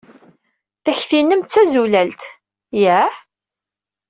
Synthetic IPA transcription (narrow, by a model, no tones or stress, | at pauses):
θæçθinːəmt͡sːæzulælt̪ | jæħ